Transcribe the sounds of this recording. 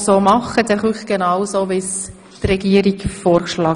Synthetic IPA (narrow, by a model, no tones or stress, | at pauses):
soːmɑχədɛχuχɡ̥enɑʊwsoːʋɪs | t̪rɛɡ̥iəɾikfoːɾkʃlɑː